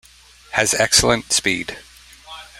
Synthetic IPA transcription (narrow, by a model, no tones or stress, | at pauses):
hɨzɛksl̩ˠə̃ntspid̥